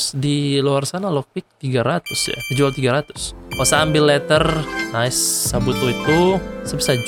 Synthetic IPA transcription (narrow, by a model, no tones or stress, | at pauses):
sdiloarsanalɔk̚pɪk̚t̪iɡaɾat̪ʊsja̰vid͡ʒualt̪iɡaɾat̪ʊ̥swasaːmbɪlːɛt̪ərnaɪsːabut̪oit̪usəbisa